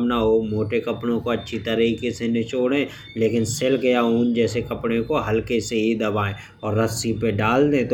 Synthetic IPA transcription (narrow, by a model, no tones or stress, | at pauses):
mnaɦomoːʈekɐpɽ̃õkoɐtːʃʰit̪ɐɾɦikisenɪt͡ʃoːɽẽ | leːkɪnselkejauːnd͡ʒɛːsekɐpɽ̃ẽkoɦɐlkeseɦid̪ɐbaːẽ | ɔːɾːɐsipeɖaːld̪ẽt̪